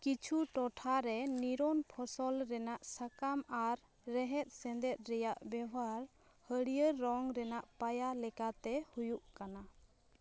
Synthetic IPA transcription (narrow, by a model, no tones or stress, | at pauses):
kit͡ʃʰuʈɔʈʰaɾɛniɾɔnpʰɔsɔlɾɛnaʔsakamaɾː | ɛɦɛt̪̚sɛ̃nd̪ɛt̪̚ˀɾɛjaʔbɛwaɾ | həɽijəɾːɔŋɾɛnaʔpajalɛkat̪ɛhujuʔkana